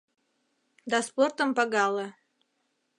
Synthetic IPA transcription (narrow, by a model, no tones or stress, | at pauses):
d̪ɑsport̪ə̆mpɑɡɑlˠə